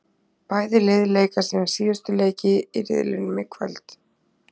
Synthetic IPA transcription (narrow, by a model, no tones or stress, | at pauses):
paːjðɪlejðleːjkasinḁsiːɣʏst̪ʏleːjcɪiɾɪ̰ðlɪnmɪkʰvɛ̰lt̪